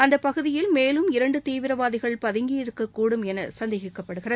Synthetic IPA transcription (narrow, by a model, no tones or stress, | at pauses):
ɐnd̪ɐpɐɣɯðɪjɪlmeːlɯmɪɾɐɳɖɯt̪iːʋɪɾɐʋaːðɪɣɐɭpɐðɪŋɡiɪɾɯkːɐkːuːɽɯmɛnɐsɐnd̪eːɣɪkːɐpːɐɽɯɣɪrɐð